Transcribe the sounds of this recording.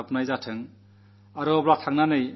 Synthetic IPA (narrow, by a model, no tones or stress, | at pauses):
apnajzatʰɯŋ | aɾɯɔblakʰaŋnanɯj